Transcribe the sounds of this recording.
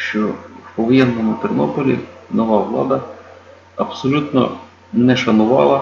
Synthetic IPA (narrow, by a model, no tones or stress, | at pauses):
ʃt͡ʃɔɔʋɔjɛnːɔmʊt̪ɪrnɔpɔlʲḭnɔʋaʋlˠɑ̰d̪ɐ | ɐpsɔlʲut̪nɔ̰ | nɛʃɐnʊʋɑ̰lˠɐ